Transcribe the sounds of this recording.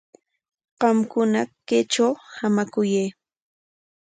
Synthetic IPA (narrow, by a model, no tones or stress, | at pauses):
ɢ̥ɑmkʊnaket͡ʃawhamakʊjej